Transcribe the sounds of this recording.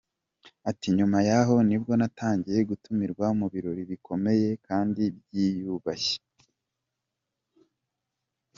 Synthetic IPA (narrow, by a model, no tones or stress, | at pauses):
atiɲumajaɦo̞nib̚ɡo̞natʰaːɲɟije̞ɡutumiɾɡwamuβiɾo̞ɾiβikʰo̞me̞je̞kaːndibjijuβaçe̥